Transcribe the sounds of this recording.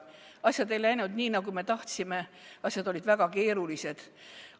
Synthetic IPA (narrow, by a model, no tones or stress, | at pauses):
ɑsjɑd̪e̞jlæjnud̪niːnɑɡume̞t̪ɑht̪sime̞ɑsʲjɑd̪o̞lʲid̪̥væɡ̥ɑke̞ːɾulise̞d̪̥